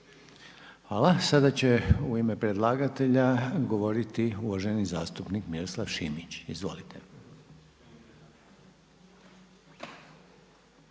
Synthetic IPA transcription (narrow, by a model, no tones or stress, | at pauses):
xʋaːlasad̪at͡ɕe̞uime̞pɾed̪lˠaɡat̪e̞ʎaɡo̞ʋo̞ɾit̪iuʋaʒe̞nizaːst̪upnikmiɾoslˠaʋʃimit͡ɕizʋo̞̰lit̪ʰe